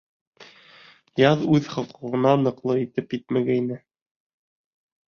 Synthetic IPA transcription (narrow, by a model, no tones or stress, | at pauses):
jɑðʉðχŏlˠqɤ̆ʁɤ̆nɑnɤ̆qlˠɤit̪ɘpjɘt̪̚mæɡæinɘ